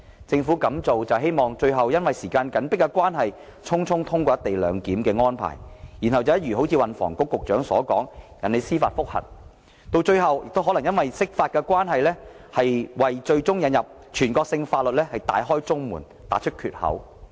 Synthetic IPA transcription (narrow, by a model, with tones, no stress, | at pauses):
t͡sɪ˧ŋfuː˨˥kɐ˨˧˥mt͡so˨wt͡sɐ˨wɦe˥jmɔː˨ŋt͡ʃɵ˧ɥɦɐ˨˩wjɐ˥nwɐ˨jsiː˨˩kaː˧nkɐ˨˥npɪ˥kːɛ˧kwaː˥nɦɐ˨j | t͡ʃʰʊ˥ŋt͡sʰʊ˥ŋt̪ʰʊ˥ŋkʷɔː˧jɐ˥t̪e˨jlœː˨˧ŋkiː˨˥mkɛː˧ŋɔː˥npʰa̰ː˨˩jji˨˩nhɐ˨wt͡sɐ˨jɐ˥t̚jyː˨˩ɦo˨˥wt͡sʰiː˧wɐ˨nfɔ̰ː˨˩ŋkʊ˧˥kːʊ˨k̚t͡ʃœː˨˥ŋsɔː˨˥kɔː˨˥ŋjɐ̰˨nle˨˧jsiː˥faː˧t̚fʊ˥k̚hɐ̰˨˩n | t̪o˧wt͡ʃɵ˧ɥɦɐ˨wjɪ˨k̚t̪wɦɔ˨˥lɐ˨˩jɐ˥nwɐ˨jsɪ˥k̚faː˧t̚kɛ˧kʷwaː˥nɦɐ˨jlɛː˥ | hɐ˨jwɐ˨jt͡ʃɵ˧ɥt͡sʊ˥ŋjɐ˨˧njɐ˨p̚ | t͡ʃʰyː˨˩nkɔː˧k̚sɪ˧ŋfaː˧t̚lɵ˨t̚lɛː˥hɐ˨˩jt̪a̰ː˨˧jɦɔː˥jt͡sʊ˥ŋmuː˨˩n | t̪a̰ː˨˥t͡ʃʰt̚kʰyː˨t̚hɐ̰˨˥w